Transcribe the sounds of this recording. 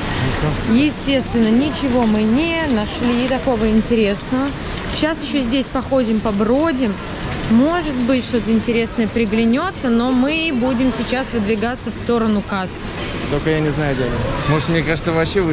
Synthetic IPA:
ɪajɪsʲtʲe̞st̪vʲɪnːənʲɪt͡ɕɪvo̞mɨnʲɪnɐʂlʲit̪ɐko̞vəɪnʲtʲɪɾʲe̞snəvə | ɕːasjɪɕːozʲdʲesʲpɐxo̞dʲɪmpɐbɾodʲɪmː | o̞ʐɨt̪bɨtʲʂt̪o̞t̪əɪnʲtʲɪɾʲe̞snəjəpɾʲɪɡlʲɪnʲo̞t̪sːəno̞mɨbudʲɪmsʲɪt͡ɕasvɨd̪vʲɪɡat̪sːəfst̪o̞ɾənʊkas | t̪olʲkəjanʲɪznajʊdʲenʲmoʐɨt̪mnʲekaʐɨt̪səvɐpɕevɨ

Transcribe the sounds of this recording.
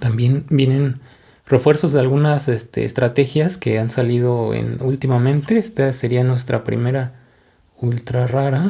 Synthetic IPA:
t̪ambje̞nbje̞nẽ̞n | re̞fwe̞ɾso̞zðealɣunasest̪ḛːst̪ɾat̪e̞xjaske̞ansaliðo̞ḛnult̪imamẽ̞nt̪e̞est̪ase̞ɾianwe̞st̪ɾapɾḭme̞ɾa | ult̪ɾaraɾa

